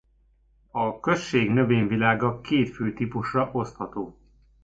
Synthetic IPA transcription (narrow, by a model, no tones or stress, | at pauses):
ɒkø̞ʃːeːɡnø̞veːɲvilaːɡɒkʰeːt̪føːt̪ipuʃrɒʔo̞st̪hɒt̪oː